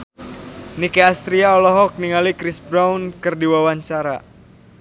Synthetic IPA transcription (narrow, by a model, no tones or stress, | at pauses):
nikeast̪ɾiaɔlɔɦɔk̚niŋalikɾisbɾaunkɨrdiwawaɲt͡ʃaɾa̰